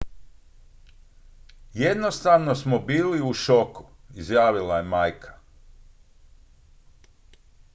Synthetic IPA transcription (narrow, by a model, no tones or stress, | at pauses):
jed̪no̞st̪aʋno̞smobiːliuʃo̞ku̥izjaːʋilaje̞majkʰḁ